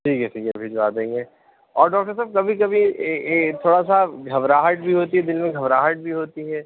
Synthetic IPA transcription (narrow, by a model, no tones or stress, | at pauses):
ʈʰiːkʰɛʈʰiːkɛbʱid͡ʒbaːd̪ẽːŋɡeː | ɔːɾɖɔːk̚ʈəɾsaːb̚kɐbʱikɐbʱi | t̪ʰoːɽasaɡʱɐʋɾaːɦəʈ̚bʱiɦoːt̪iɦɛd̪ɪlmẽɡʱɐʋɾaːɦəʈ̚bʱiɦoːt̪iɦɛː